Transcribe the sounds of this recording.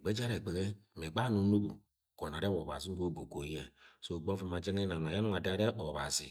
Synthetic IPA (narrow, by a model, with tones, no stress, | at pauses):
ɡ͡be˦d͡ʒa˦ɾe˨ɡ͡be˨ɣe˦m˨e˨ɡ͡ba˦nu˨˦nu˦bu˨ | ko˨na˨ɾe˦βo˨βa̰˨zi˦ɾo˦bo˨ko˨˦e˨so˦˨ɡ͡bo˦vi˦ma˨d͡ʒe˦ŋe˦na˨na˨ja˦nu˦a˨da˨˦ɾe˦ʔo˨βa˨sḭ˨